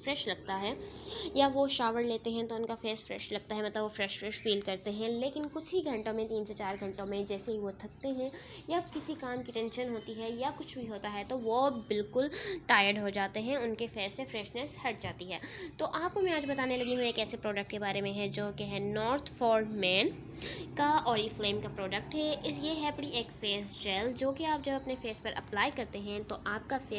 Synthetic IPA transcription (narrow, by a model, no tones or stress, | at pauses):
fɾɛːʃlɐɡ̚t̪aɦɛːjaʋoʃaːʋəɽleːt̪eɦɛ̃t̪oʊnkafeːsfɾɛ̰ːʃlɐɡ̚t̪aɦɛmɐt̪ləbʋofɾɛːʃfɾɛʃfiːl̚kɐɾt̪eɦɛ̃leːkɪnkʊt͡ʃʰɦiɡʱɐ̃ɳʈõmẽt̪iːnset͡ʃaːɾɡʱɐ̃ɳʈõmẽd͡ʒɛːseɦiʋot̪ʰɐk̚t̪eɦɛ̃ | jakɪsikaːmkiʈɛ̃nʃənɦoːt̪iɦɛjakʊt͡ʃʰbʱiɦoːt̪aɦɛt̪oʋobɪlkʊlʈaːjəɾɖɦod͡ʒaːt̪eɦɛ̃ʊnkefeːzsːefɾɛːʃnɛshɐʈ̚d͡ʒaːt̪iɦɛːt̪oːʔaːp̚komɛ̃aːd͡ʒbɐt̪aːnelɐɡiɦũeːkɛːsepɾɔːɖək̚ʈkebaːɾemẽɦɛ̃d͡ʒoːkeɦɛnɔːɾt̪ʰfɔːɾɖmɛ̃ːn | kaɔːɾiːfleːmkapɾɔːɖək̚ʈɦɛʔɪsjeɦɛbɐɽiʔeːkfeːsd͡ʒɛːld͡ʒoːkeaːp̚d͡ʒɐbɐpnefeːspɐɾʔɐ̰plaːɪkɐɾt̪eɦɛ̃t̪oʔaːp̚kafeː